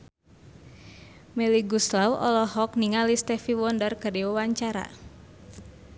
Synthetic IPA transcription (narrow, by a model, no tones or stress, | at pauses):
mɛliɡuslawɔ̰lɔɦɔk̚niŋalist̪ɛfiwɔndərkəriwəwaɲt͡ʃaɾa̰